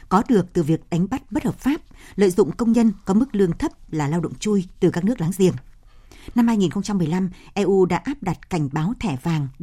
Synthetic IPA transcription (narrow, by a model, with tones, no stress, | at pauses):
kɔ˨˦ɗɨ˨˩ək̚t̪ɨ˨˩vi˨˩ək̚ɗa˨˦ŋ̟ɓa˦˥t̚ɓə˦˥t̚həː˨˩p̚faː˦˥p̚lə̰ː˧˨jzʊ̰˧˨ŋ͡mkə˧wŋ͡mɲə˧nkɔ˨˦mɨ˦˥k̚lɨ˧əŋt̪ʰə˦˥p̚laː˨˩laː˧wɗə̰˧˨ŋ͡mt͡ɕu˧jt̪ɨ˨˩kaː˦˥k̚nɨ˦˥ək̚laː˨˦ŋzḭ˧˨˩ən | na˧mhaː˧jŋi˨˩nxə˧ŋ͡mt͡ɕa˧mːɨ˨˩əjla˧mʔɛ˧ʔu˧ɗa̰ː˧˥ʔaː˦˥p̚ɗa˨˩t̚ka˧˩jŋ̟ɓaː˨˦wt̪ʰɛ˧˩vaː˨˩ŋ